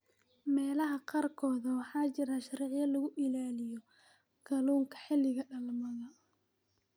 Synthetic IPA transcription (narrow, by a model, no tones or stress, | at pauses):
mɛːlɐɦɐqɑrkʰɔːðɐwɑħɑːt͡ʃɪɾaʃɐɾɛʕjɐlɐɣʊʔɪlaːlɪjɔ | ɡ̥ɐluːŋkʰɐ̥ħɪlɪɣɐɖɐlmɐðɐ